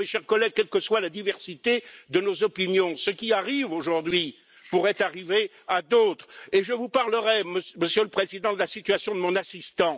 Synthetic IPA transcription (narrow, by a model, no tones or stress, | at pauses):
meʃɛʁkɔlɛɡ̚kʲɛlkəswalad̪ivɛʁsit̪ed̪ənozɔpinjɔ̃səkʲiaʁivoʒuʁd̪ɥi | puʁɛt̪aʁive | ad̪ot̪χeʒəvupaʁləʁɛməməsjøləpχezid̪ɑ̃d̪əlasit̪ɥasjɔ̃d̪əmɔ̃nasist̪ɑ̃